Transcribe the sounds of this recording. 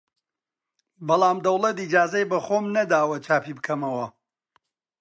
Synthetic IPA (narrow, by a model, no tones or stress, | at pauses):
bɐlˠaːmd̪ɐwlɐt̪id͡ʒaːzɐjbɐχoːmnɐd̪aːwɐt͡ʃʰaːpibɨkʰɐmɐwɐ